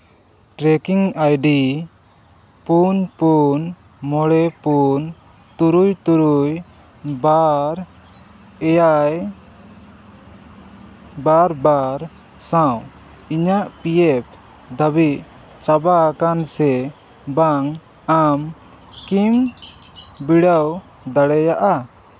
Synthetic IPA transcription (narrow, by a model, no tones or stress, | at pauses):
ʈɾɛkiŋajɖi | punpun | mɔɽɛpun | t̪uɾujt̪uɾuj | baɾ | ɛjaj | baɾbaɾ | sãw | iɲaʔpijɛp̚ | d̪əbiʔ | t͡ʃabakansɛ | baŋ | am | kim | biɽəw | d̪aɽɛjaʔa